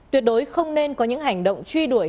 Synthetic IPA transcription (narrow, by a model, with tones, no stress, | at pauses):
t̪wi˨˩ət̚ɗo˨˦jxə˧wŋ͡mne˧nkɔ˨˦ɲɨ̰˧˥ŋɦa˨˩jŋ̟ɗo̰˧˨wŋ͡mt͡ɕwi˧ɗu˧˩əj